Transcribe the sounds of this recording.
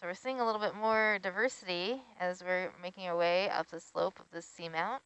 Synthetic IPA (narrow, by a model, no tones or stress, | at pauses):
soʊwɨɹsiɪ̃ŋəlɪɾl̩ˠbɪt̚mɔɹdaɪvɜ˞sɨɾiɨzwɪɹmeɪkɪ̃ŋa˞weɪʌ̰p̚ðɨslo̰ʊpʰʌvðɪsimãʊ̃nt̚